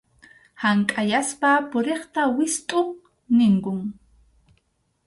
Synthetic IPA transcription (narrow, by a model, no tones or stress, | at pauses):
haŋkʼajaspapʊɾeχt̪awɪst̪ʼʊ | nɪŋkʊŋ